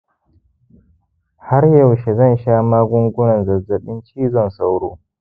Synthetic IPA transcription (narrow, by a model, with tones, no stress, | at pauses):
ha˦ɾjɐ˨wʃe˨zɐ˦˨nʃaː˦maː˦ɡʷʊ˦ŋɡʷʊ˦nɐ˨nzɐ˨zɐ˨ɓɪ˦nt͡ʃiː˦zɔ˦nsa˦wɽoː˦